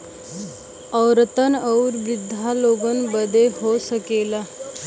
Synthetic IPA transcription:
əwɾət̪ənəwɾʋid̪ʱaloɡənbəd̪ʱeɦosəkela

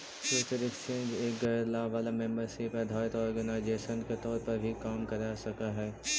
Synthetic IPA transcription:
t͡ʃeːt̪əɾɪkt͡ʃẽːnd͡ʒeːk̚ɡɐlaːʋaːlamɛ̃mbəɾsepəd̪ʱaːɪt̪ɔːɾɔɡɐnaːɪd͡ʒeːʃənket̪ɔːɾpɐɾbʱikaːmkɐɾasɐkaɦɛː

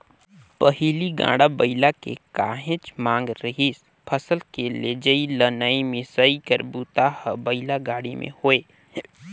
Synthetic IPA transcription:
pəɦiliɡã̰ːɽabəɪlakḛkaːɦɪ̃t͡ʃmãːŋɡɾəɦiːs | pʰəsəlkeled͡ʒəilənəimɪsəikəɾbuːt̪ahəbəɪlaɡaːɽimʔḛ̃hoːeː

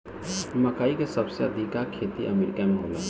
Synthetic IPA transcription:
mɐkaːikesɐbseɐd̪ʱikakʰeːt̪iʔɐmeːɾɪkamẽɦoːla̰

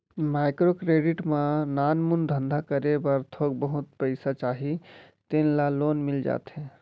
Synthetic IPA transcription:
maɪkɾokɾeːɖɪʈmãnaːnmund̪ʱə̃nd̪ʱakəɾebəɾt̪ʰoɡ̚bəɦʊt̪̚pəɪsat͡ʃaːɦi | t̪enlaloːnmɪld͡ʒa̰ːt̪ɦɛ̃

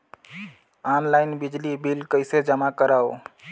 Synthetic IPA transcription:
anlajnbid͡ʒlibilkəɪsed͡ʒəmakəɾao

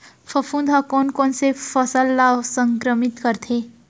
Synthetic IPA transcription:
fʰəfũnd̪ʱakoːnkoːnsefəsəlːasə̃ŋkɾəmɪt̪kəɾt̪ʰe

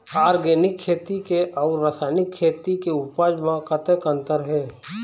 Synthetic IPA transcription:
aːɾɡeːnɪkʰːeːt̪ikeʔɔːɾːaːsaːɪnɪkʰːeːt̪ikeʊpaːd͡ʒmãkət̪ekə̃nt̪əɾɦɛː

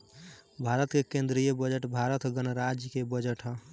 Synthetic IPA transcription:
bʱaɾət̪kekẽnd̪ɾijəbəd͡ʒəʈbʱaɾət̪ɡənɾad͡ʒjkebəd͡ʒəʈɦə̃

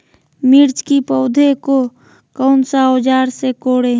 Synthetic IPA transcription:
miɾt͡ʃkipəʊd̪ʱeko | kəʊnsaod͡ʒaːɾsekoːɽe

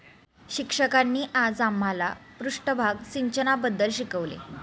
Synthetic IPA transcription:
ɕikʂəkanːiːʔad͡zam̤ːalapɾuʂʈəbʱaɡsiɲt͡ɕənabəd̪ːəlɕikəʋlḛ

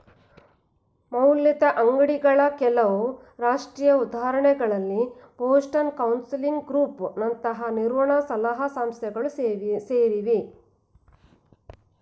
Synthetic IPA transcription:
mɐwlːit̪ɐʔɐŋɡɐɽiɡɐɭɐkɛlɐʋu | ɾaːʂʈɾiːjɐud̪ʱaːɾɐɳɛɡɐɭɐlːipoːsʈɐnkɐwnsiliŋɡɡɾuːpnɐnt̪ɐɦɐniɾʋɐɳɐsɐlaɦɐsaːmst̪ʰɛɡɐɭuseːɾiʋi

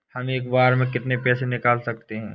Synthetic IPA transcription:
hɐmeːkʋaːɾmẽkɪt̪nepɛːsenɪkaːlsɐk̚t̪eɦɛ̰̃ː

